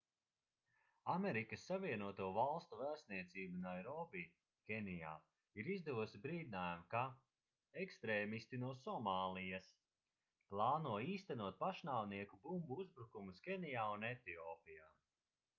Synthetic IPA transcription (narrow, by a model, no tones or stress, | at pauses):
ameɾikəsːaviɛnuɔt̪uɔvalˠst̪uvæːst̪niɛt̪siːbunajɾɔbi | kʲenija̰ː | iɾizd̪ɛvɔsibɾiːd̪ʲinaːjamka | ekst̪ɾeːmist̪inuɔsɔmaːlˠijɐs | plˠaːnuɔiːst̪ænuɔt̪̚paʃnaːwniɛkubumbuuzbɾukumuskʲɛnijaːunɛt̪iɔːpijaː